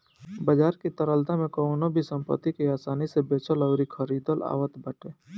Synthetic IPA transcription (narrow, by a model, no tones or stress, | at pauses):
bəd͡ʒaːɾkit̪əɾəld̪ãmẽkoʊnobʱisə̃mpə̰t̪ːikeaːsaːnisebeːt͡ʃʰələʊɾikʰəɾiːd̪əla̰ːʋət̪bəʈeː